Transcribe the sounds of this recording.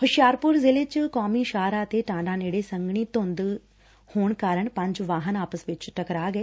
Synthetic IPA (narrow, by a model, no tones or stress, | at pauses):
hʊʃjaːɾpʊɾzɪlet͡ʃkɔːmiːʃaːɾaːt̪eʈãːɳɖãːneːɽesə̃ŋɡɳ̃iːt̪õnd̪ | hoːɳ̃kaːɾəɳpɐ̃ɲd͡ʒʋaːɦənaːpəsʋɪt͡ʃʈəkɾaːɡəeː